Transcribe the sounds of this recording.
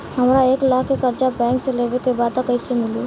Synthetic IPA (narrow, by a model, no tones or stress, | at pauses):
həmɾaeːklaːkːekəɾt͡ʃabɛ̃ːŋkseleʋekebaːd̪kəisemɪlu